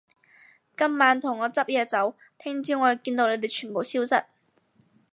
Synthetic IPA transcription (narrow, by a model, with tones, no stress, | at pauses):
kɐ˥mːaː˨˥nt̪ʰʊ˨˩ŋːɔː˨˧t͡sɐ˥p̚jɛː˧t͡sɐ˨˥w | t̪ʰɪ˥ŋt͡siː˥ŋɔː˨˧˨kiː˧nt̪o˧wle˨˧jt̪e˨jt͡ʃʰyː˨˩npo˨wsiː˥wsɐ̰˨t̚